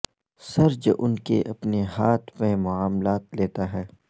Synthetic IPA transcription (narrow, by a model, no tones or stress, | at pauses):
sɐɾd͡ʒʔʊnkḛʔɐpnehaːt̪ʰmẽmʊaːmlaːt̪leːt̪aɦɛː